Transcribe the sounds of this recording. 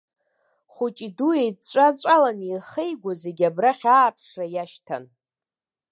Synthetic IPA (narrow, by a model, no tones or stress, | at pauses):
χut͡ʃʼiduejt͡ʃʷʼat͡ɕʷʼalaniχejɡʷaze̞ɡʲabraχʲaːpʰʂrajaʃtʰa̰n